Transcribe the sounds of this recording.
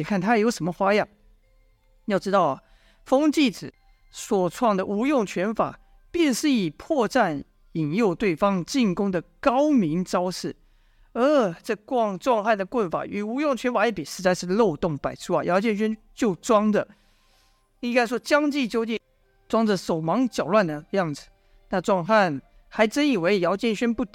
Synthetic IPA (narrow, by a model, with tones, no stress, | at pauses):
ɛ˨˩kʰa˥˩nt̪ʰa˥˨˥jo˧˥ʊʂə˧˥nmə˧xwa˥jɑ˥˩˨ | jɑ˥˩ʊʈ͡ʂɻ̩˥t̪ɑ˥˩ʊɐ˨˩ | fɤ˥ŋt͡ɕi˥˩ʈ͡ʂɹɻ̩˨˩˦ | swɔ˨˩ʈ͡ʂʰwɑ˥˩ŋd̪ə˩˨ʔu˧˥jʊ˥˩ŋt͡ɕʰɥɛ˧˥nfa̰˨˩˦ | pjɛ˥˧nʂɻ̩˥˩i˨˩pʰwɔ˥˧ʈ͡ʂa˥˩n | i˨˩njo˥˧ʊt̪we˥˩ɪfɑ˥ŋt͡ɕi˥˩nkʊ˥ŋd̪ə˨kɑ˥ʊmi˧˥ŋʈ͡ʂɑ˥ʊʂɻ̩˥˩ | ə˧ʈ͡ʂɤ˥˧˩kwɑ˥˧ŋʈ͡ʂwɑ˥˧ŋxa˥˩ɪd̪ə˩kwə˥˩nfa̰˨˩y˨˩u˧˥jʊ˥˩ŋt͡ɕʰɥɛ˧˥nfa˨˩jɛ˥˩pi˨˩ʂɻ̩˧˥t͡sa˥˧ɪʂɻ̩˥˧lo˥˧ʊt̪ʊ˥˩ŋpa˨˩ɪʈ͡ʂʰu˥˩a̰˨˩jɑ˧˥t͡ɕjɛ˥˩nɕ̬ɥɛ˥n | t͡ɕjo˥˩ʊt͡swɑ˥ŋd̪ə˨ | i˥˩˧ka˥ɪʂwɔ˥t͡ɕjɑ˥ŋt͡ɕi˥˧t͡ɕjo˥˧ʊt͡ɕi˥˩n | t͡swɑ˥ŋd͡zə˨so˨˩ʊmɑ˧˥ŋt͡ɕjɑ˨˩ʊlwa˥˩nd̪ə˩jɑ˥˩ŋd͡zɹ̩˨˩ | na˥˧ʈ͡ʂwɑ˥˧ŋxa˥˩n | xa˧˥ɪʈ͡ʂə˥ni˨˩we˧˥ɪjɑ˧˥ʊt͡ɕjɛ˥˧nɕɥɛ˥npu˥˩t̪